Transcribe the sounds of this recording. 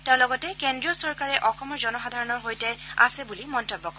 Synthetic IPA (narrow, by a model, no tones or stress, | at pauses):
tɛ̃ʊ̃lɔɡɔtɛkendɹiɔsɔɹkaɹɛʔɔxɔmɔɹzɔnɔxadʱaɹɔnɔɹɦojtɛa̰sɛbulimɔntɔbːɔkɔɛ